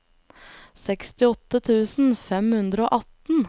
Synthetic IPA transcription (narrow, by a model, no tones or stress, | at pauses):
sɛkst̪ɪɔt̪ət̪ʰʉːsn̩fɛmhʉnd̪ɾəoːʔɑt̪n̩